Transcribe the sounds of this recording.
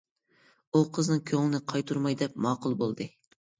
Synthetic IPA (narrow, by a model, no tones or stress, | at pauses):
uqʰəznɨŋkʲʰøŋlˠɪnɨqʰɑjt̪ʰuɾmɑjd̪ɛp̚mɑːqʊlˠbolˠd̪ɨ